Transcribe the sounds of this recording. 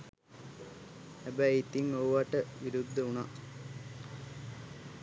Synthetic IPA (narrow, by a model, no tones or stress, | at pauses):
hɛbɛjit̪iŋoːʋaʈːəʋiɾud̪ːɐuna